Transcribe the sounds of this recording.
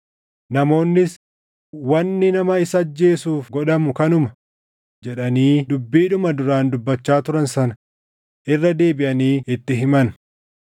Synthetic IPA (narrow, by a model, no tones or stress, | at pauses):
nɐmo̞ːnːɪs | wɐnːɪnɐmɐɪsɐd͡ʒːe̞ːsuːfɡɔᶑɐmʊkɐnʊmɐ | d͡ʒɛᶑɐniːd̪ʊbːiːᶑʊmɐd̪ʊɾaːnd̪ʊbːɐt͡ʃːaːt̪ʊɾɐnsɐnɐ | ʔɪrːɐd̪e̞ːbɪʔɐniːɪt̪ːɪɦɪmɐn